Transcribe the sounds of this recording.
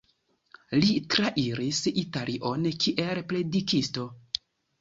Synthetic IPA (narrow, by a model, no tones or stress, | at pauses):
litɾaʔiɾisitalʔiʔo̞nkʰiʔe̞lple̞dikisto̞